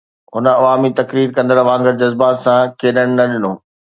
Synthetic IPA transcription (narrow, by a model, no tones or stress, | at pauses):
ɦʊnə̆ɐʋaːmit̪ɐkɾiːɾkɐ̃nd̪əɾʋãːŋɡəɾd͡ʑɐzbaːt̪sãkʰeːɗəɽ̃ɪ̆nɐɗɪnoː